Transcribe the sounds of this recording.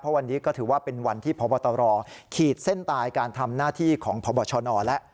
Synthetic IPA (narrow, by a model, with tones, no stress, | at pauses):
pʰɔ˦˥wa˧nːiː˦˥kɔː˥˩t̪ʰɯː˩˦waː˥˩pe˧nwa˧nt̪ʰiː˥˩pʰɔː˨˦bɔː˧t̪ɔː˧ɾɔː˧kʰiː˨˩t̪̚se˥˩nt̪aː˧jkaː˧nt̪ʰa˧mnaː˥˩t̪ʰiː˥˩kʰɔː˩˦ŋpʰɔː˨˦bɔː˧˩t͡ɕʰɔː˧nɔː˧lɛ˦˥ʔ